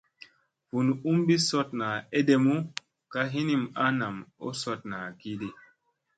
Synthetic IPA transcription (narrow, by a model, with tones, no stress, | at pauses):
vu˨nu˦mbi˦so˦tna˨e˦de˨mu˦ | ka˦ɦi˦ni˦ma˦na˨mo̰˦so˦t̚na˨ki˦di˦